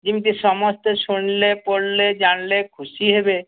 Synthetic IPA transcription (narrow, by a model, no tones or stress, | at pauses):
d͡ʑimiʈiʃɔmost̪eʃunlepoɾled͡ʑanlekʰuʃiɦebe